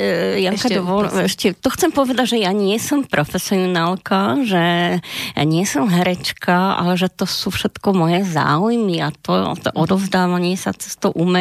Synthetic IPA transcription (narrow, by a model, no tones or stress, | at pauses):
jakad̪ɔʋɔlɛʃcɛt̪ɔxt͡sɛmpɔʋɛd̪aɟʒɛjaɲɪɛsɔmpɾʔɔfɛsiɔnalkaʒɛ | ɲɪɛsɔmɦɛɾɛt͡ʃkaa̰lɛʒɛt̪ɔsuːfʃɛt̪kɔmɔjɛza̰ːujmiat̪ɔ̰t̪ɔ̰ʔɔd̪ɔʊzd̪aːʋaɲɪɛsa̰t͡sɛ̥st̪ɔʔumɛ